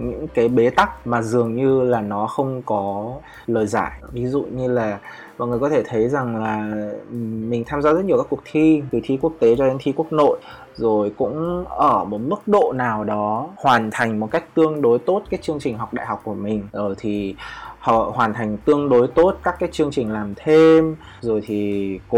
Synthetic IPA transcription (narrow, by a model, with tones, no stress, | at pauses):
ɲɨ̰˧˥ŋkaː˨˦jɓe˨˦t̪a˦˥k̚maː˨˩zɨ˨˩əŋɲɨ˧laː˨˩nɔ˨˦xə˧wŋ͡mkɔ˨˦ | ləː˨˩jza̰ː˧˩jvi˨˦zṵ˧˨ɲɨ˧laː˨˩ | ma̰ɔ̰˨nŋɨ˨˩əkɔ˨˦t̪ʰe˧˩t̪ʰə˨˦jza˨˩ŋlaː˨˩ | mï˨˩ŋ̟t̪ʰaː˧mzaː˧zə˦˥t̚ɲ˨˩wkaː˦˥ku˨˩ək̚t̪ʰi˧t̪ɨ˨˩t̪ʰi˧ku˦˥ək̚t̪e˨˦t͡ɕɔ˧ɗe˨˦nt̪ʰi˧ku˦˥ək̚no̰˧˨j | zo˨˩jkʊ̰˧˥ŋ͡mʔəː˧˩mo˨˩t̚mɨ˦˥k̚ɗo̰˧˨naː˨˩wɗɔ˨˦hwaː˨˩nt̪ʰa˨˩jŋ̟mo˨˩t̚ka˦˥jk̟̚t̪ɨ˧əŋɗo˨˦jt̪o˦˥t̚kaː˨˦jt͡ɕɨ˧əŋt͡ɕï˨˩ŋ̟ɦa˨˩wk͡p̚ɗa̰ː˧˨ɦa˨˩k͡p̚ku˧˩əmï˨˩ŋ̟zo˨˩jt̪ʰi˨˩hhwaː˨˩nt̪ʰa˨˩jŋ̟t̪ɨ˧əŋɗo˨˦jt̪o˦˥t̚kaː˦˥kːaː˨˦jt͡ɕɨ˧əŋt͡ɕï˨˩ŋ̟laː˨˩mt̪ʰe˧m | zo˨˩jt̪ʰi˨˩kṵ˧˥